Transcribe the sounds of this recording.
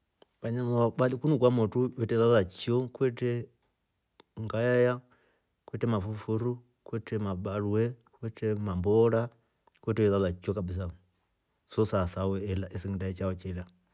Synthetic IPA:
βaɲamaɓalikunukwamɔtujɛtɛðaðat͡ʃiɔkwɛtɛ | ŋɡajaja | kwɛtɛmafufuɾu | kwɛtɛmaɓaɾuɛ | kwɛtɛmambɔɾa | kwɛtɛwɛðaðat͡ʃiɔkabis̬a | sɔsasawɛɛlaʔɛsiŋidait͡ʃaɔt͡ʃɛla

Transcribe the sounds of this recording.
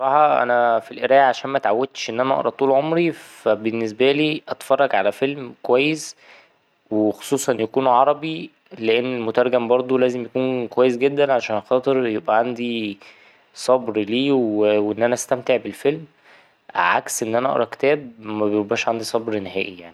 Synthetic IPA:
ɾˤɑːħɑʔæ̰næfilʔeɾæːjʕaʃæːnmæt̪ʕawːæd̪̚t̪ʃʔenːʔænæʔɑ̰ʔɾˤɑt̪ˤuːlʕomɾifæbenːes̬bæliːʔɑt̪fɑrˤːɑɡʕalæfelmkowæjːes | wexo̥sˤuːsˤɑnjækuːnʕɑɾˤɑbi | leʔenːelmot̪ɑɾˤɡæmbɑɾˤd̪ˤolæːzemjækuːnkowæjːes̬ɡed̪ːænʕaʃæːnxɑːt̪ˤeɾjebʔæʕand̪i | sˤɑbɾliːweweʔenːʔænæʔæst̪æmt̪eʕbelfelm | ʔæ̰ʕa̰ksʔenːʔænæʔɑ̰ʔɾˤɑke̥t̪æːb̚mæbejobæːʃʕand̪isˤɑbɾneɦæːʔijaʕni

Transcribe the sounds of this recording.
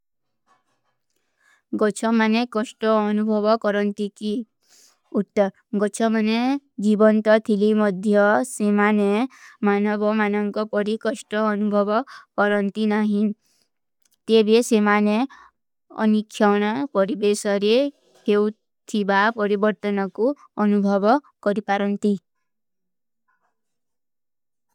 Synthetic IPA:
ɡɔt͡ʃʰɔmanekɔsʈɔːnubʱɔbɔkɔɾɔnt̪iki | uʈːɔ | ɡɔt͡ʃʰɔmane | d͡ʒibɔnt̪ɔt̪ʰilimɔd̪ʱjɔsemanemanɔbʱɔmanɔŋkɔpɔɾikɔsʈɔːnubʱɔbɔkɔɾɔnt̪inaɦĩ | t̪ebʱesemane | ɔ̰nikʰːjawɽ̃ɔpɔɾibesɔɾe | kew | t̪ʰibapɔɾibɔɾt̪ɔnɔku | ɔnubʱɔbɔ | kɔɾipaɾɔnt̪i

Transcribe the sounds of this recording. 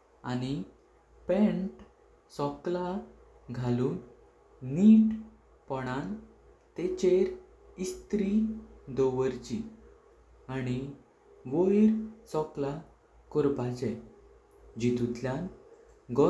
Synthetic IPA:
a̰ñi | pɛ̃ɳʈ | sɔkla | ɡʱaluːnː | iʈ | pɔɽ̃ãn | t̪et͡ɕeɾ | ist̪ɾid̪ɔʋəɾt͡ɕi | aɽ̃i | ʋojɾsɔkla | kɔɾbat͡ɕɛ | d͡ʑit̪ut̪ljan | ɡɔ

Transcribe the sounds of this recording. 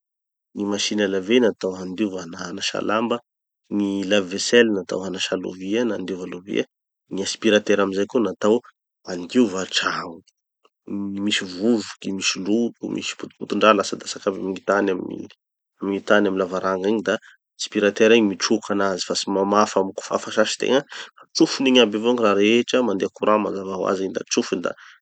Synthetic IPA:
nimaʃinalavenat̪awand̪ivanaanaʃa̰lambə | nilavveselnat̪a̰wanaʃalo̰vianand̪ivaluvḭə | niaspiɾat̪eɾaminzajkunat̪aw | and̪ivaʈ͡ʂaŋu | misivuvukimisilut̪umʔḭsi̥put̪u̥put̪uɳɖ͡ʐalasad̪asakabamiŋit̪anamnḭ | amiŋit̪anaminlavaɾaŋɡiɲid̪a | spiɾat̪eɾiɲimiʈ͡ʂukʰanazi̥fasimamafamiku̥fa̰faʃaʃi̥t̪ḛŋafat͡sufuniɲabevaŋiraɾeʈ͡ʂəmand̪eakuɾamazavaɦwa̰ziɲd̪a̰t͡sufund̪a̰

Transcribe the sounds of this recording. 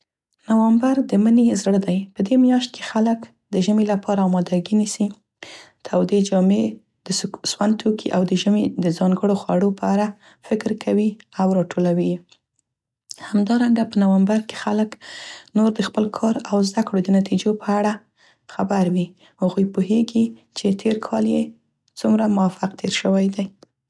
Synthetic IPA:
nawambaɾd̪əmənezɽəd̪ajpəd̪emjɑʃt̪̚kʰe̥xalək | d̪əʒəmelapʰɑɾaɑmɑd̪aɡinisi | t̪ʰawd̪ed͡ʒɑme | d̪̥əswand̪̚t̪ʰokʰiʔawd̪əʒəmed̪əzɑŋɡəɽoxwa̰ɽopəaɾa | fɪkɾkʰawiawɾɑʈʰolawi | hamd̪ɑɾaŋɡapənawambaɾke̥xaləknoɾd̪əxpəlkʰɑɾawzd̪akɽod̪ənat̪ʰid͡ʒopəaɽa | xabaɾwi | haɣujpuɦeɡit͡ʃet̪ʰeɾkʰɑlje | t͡sumɾamʊwafaq̚t̪ʰeɾʃəwajd̪aj

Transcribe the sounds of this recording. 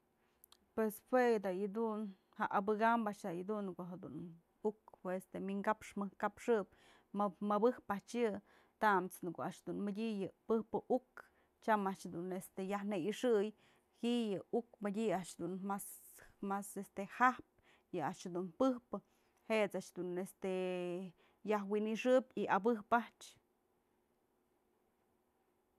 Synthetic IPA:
pweshwed̪ajɨd̪un | haʔabɨɡambaʔʃd̪ajɨd̪unkoɦad̪ṵn | ukpwest̪emiŋɡapʂmɨhkapʂɨp̚ | mɨbɨhpaʔt͡ʃjɨ | t̪amt͡snɨkoaʔʃd̪unmɨdʲijɨpɨhpɨʔuk | t͡ʃamaʔt͡ʃd̪unest̪ejahnejiʂɨj | hijɨukmɨdʲiaʔʃd̪unmas | masest̪ehahp̚ | jɨaʔʃhad̪unpɨhpɨ | het͡saʔt͡ʃd̪unest̪e | jahwiniʂɨpʲiabɨpaht͡ʃ

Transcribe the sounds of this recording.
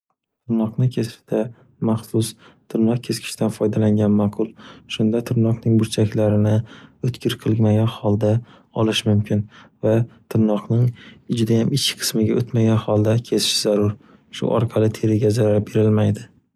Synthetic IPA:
t̪ʰɪɾnɒqnɪkʲʰe̞st̪ʰa | maχsʊst̪ʰɪɾnɒq̚kʲʰe̞skʰʲɪ̥ʃt̪anfɒjd̪alaŋɡʲanmaqʰʊlˠʃʊnd̪at̪ʰɪɾnɒqnɪŋbʊɾt͡ʃʰakʲlaɾɪnɪɵt̪kʲʰɪɾqʰɨlˠmaɡʲanhɒlˠd̪a | ɒlɪʃmʊmkʲʰɪnvat̪ʰɪɾnɒqnɪŋɪd͡ʒɪd̪ajamɪt͡ʃkʲɪ̥qʰɨ̥smɪɡʲaʔot̪maɡʲanhɒlˠd̪akʲʰe̞sɪ̥ʃzaɾʊɾ | ʃʊ̰ʔɒ̰ɾqʰɑlˠɪt̪ʰe̞ɾɪɡʲazaɾabe̞ɾɪlmajd̪ɪ

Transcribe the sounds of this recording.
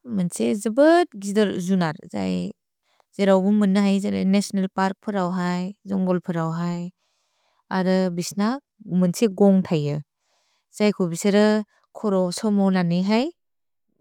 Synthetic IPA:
mɯnsezɯbɯt̚ɡidɯɾzunaɾza̰j | z̥eɾawbumɯnːɯɦajzeɾa̰jnesɔnelpaɾk̚pʰɯɾawɦajzɔŋɡɔlpʰɯɾawɦaj | aɾɯbisna | mɯnsʰeɡɔŋtʰajɯ | z̥ajkʰubiseɾɯ | kʰɔɾɔsɔmɔlaniɦaj

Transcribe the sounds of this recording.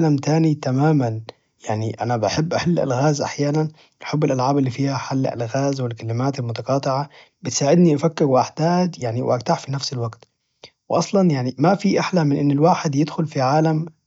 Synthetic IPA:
lamt̪aːnit̪amaːman | jaʕniʔanabʔaħɪbːʔaħalːʔa̰lɣaːzʔa̰ħjaːnan | ʔaħɪbːɪlʔalʕaːbɪlːiːfiːhaħal̰ːlɣaːzwɪlkalːɪmaːt̪almʊt̪ɑqɑːt̪ˤɪʕa | bɪt̪saːʕɪd̪niʔafakːɪɾwɪʔaħd̪aːd̪jaʕniwɪ̰ʔaɡt̪aħfinafsɪlwaɡt̪ | wʔɑsˤlɑnjaʕnimafiʔaħlamɪnʔɪnːɪlwaːħɪd̪jɪd̪xʊlfiʕaːlam

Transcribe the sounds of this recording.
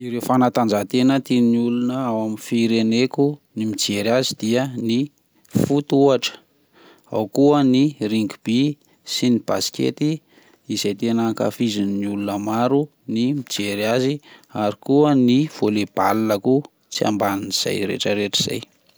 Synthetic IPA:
iɾewfanat̪and͡ʒat̪enət̪iniulunəawamifiɾenekunimid͡ʒeɾiazid̪̥iəni | fut̪uaʈ͡ʂə̥ | a̰wkuəniriŋɡub̥i | sinib̥a̰si̥kḛt̪i | izajt̪enaka̰fizininiulunəmaɾu | nimid͡ʒeɾiaziaɾikuəniv̥oleb̥alilaku | t͡sia̰mbaniniz̥a̰jɾḛʈ͡ʂəɾeʈ͡ʂi̥z̥a̰j

